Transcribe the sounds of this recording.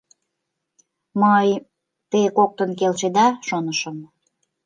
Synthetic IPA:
məj | t̪ejkok̚t̪ənkelʃed̪ɑʃonəʃəm

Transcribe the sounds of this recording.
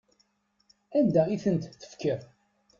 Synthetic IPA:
ænd̪æiθənt̪θə̥fkːəɾ

